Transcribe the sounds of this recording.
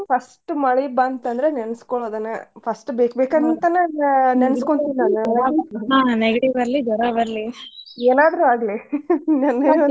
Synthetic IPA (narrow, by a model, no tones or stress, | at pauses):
pʰɐsʈmɐɭibaːnt̪ɐnd̪ɐɾenenɐskoɭoːd̪ɐnːɐpʰɐsʈbeːkbeːkɐnɐnt̪ɐnaːnnenɐskoɳt̪inːaːnɐ | aːneɡɐʈiʋɐɾlid͡ʒ̪ɐɾaʋɐɾlieːnaːd̪ɾuaːɡlinaːn